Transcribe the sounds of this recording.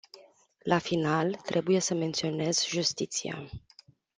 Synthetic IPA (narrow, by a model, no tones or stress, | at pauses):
lafinalt̪ɾʔe̞buje̞səme̞nt̪sio̞ne̞zʒust̪it̪sḭa̰